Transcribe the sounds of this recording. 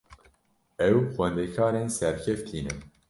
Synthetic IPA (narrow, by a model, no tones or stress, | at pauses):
ɛwxʷɛnd̪ekʰɑːɾeːnsɛɾkʰɛft̪ʰiːnɨm